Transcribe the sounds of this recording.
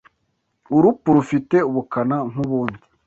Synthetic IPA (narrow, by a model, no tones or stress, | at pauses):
uɾupuɾufite̞uβukanaŋ̥uβuːndi̥